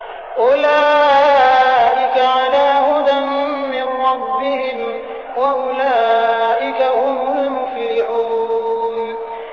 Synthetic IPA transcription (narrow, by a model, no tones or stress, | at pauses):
ʔʊlaː | ʔɪkaʕalaːhʊd̪anːɪnɾɑbːɪhɪm | waʔʊlaːʔɪkahʊmlʊmʊfɾɪʕuːn